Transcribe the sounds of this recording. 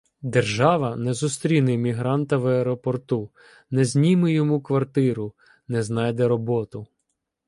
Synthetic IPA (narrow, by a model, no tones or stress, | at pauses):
d̪erʒɑʋɐnɛzʊst̪ɾʲinɪmʲiɦɾɑnt̪ɐʋɛɾɔpɔrt̪u | nɛzʲnʲimɪjɔmukʋɐrt̪ɪɾʊ | nɛznɑjd̪ɛɾɔbɔt̪ʊ